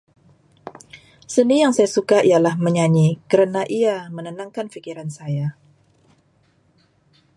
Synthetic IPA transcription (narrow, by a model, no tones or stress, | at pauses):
sənijaŋsajasukaʔijalahməɲaɲikəɾənaʔiamənənaŋkanfikiɾansaja